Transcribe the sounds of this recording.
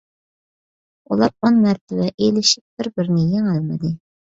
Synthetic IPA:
ulˠɑɾonmæɾt̪ʰɪvɛʔelɪʃɪp̚b̥ɪɾbɪɾnɪjeŋælˠmɪd̪ɪ

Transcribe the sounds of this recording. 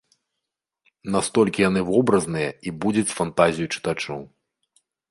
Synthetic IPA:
nast̪ɔlʲkʲijan̪ɨvɔbɾɐznɨjɐibud͡zʲɐt͡sʲfant̪azʲijut͡ʂɨ̥t̪at͡ʂɔw

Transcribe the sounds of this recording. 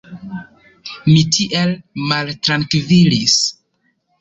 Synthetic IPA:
mitʰiʔelmaltɾankvilis

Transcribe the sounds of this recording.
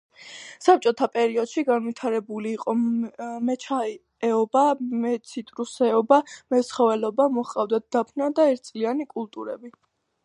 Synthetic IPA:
sap̚t͡ʃʼɔt̪ʰapʼɛɾiɔd̪̥ʃiɡanvit̪ʰaɾɛbuliːqʼɔmɛt͡ʃʰa | ɛɔbamɛt̪sʰit̪ʼɾusɛɔbamɛsχɔvɛlɔbamɔχqʼavd̪ad̪̥apʰnad̪aɛɾt̪̚ʰsʼlianikʼulˠt̪ʼuɾɛbi

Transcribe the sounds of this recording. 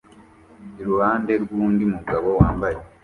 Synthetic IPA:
iɾuhaːnde̞ɾɡuːndimuɡaβo̞waːmbaje

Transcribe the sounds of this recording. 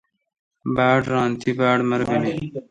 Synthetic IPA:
baːʈɾɑːnt̪ʰibaːɽmɐɾɡɐni

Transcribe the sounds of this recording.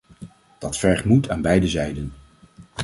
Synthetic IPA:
d̥ɑtfɛɹχmutaːnbɛjdəzɛjdən

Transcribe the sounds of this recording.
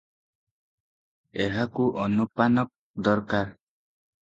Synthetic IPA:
eɦakuʔɔnupanɔk̚ | d̪ɔɾkaɾ

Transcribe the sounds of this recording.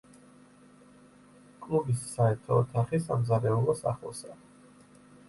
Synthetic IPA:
kʼlˠubisːaɛɾt̪ʰɔːt̪ʰaχisamzaɾɛulˠɔsa̰χlˠɔ̰sa

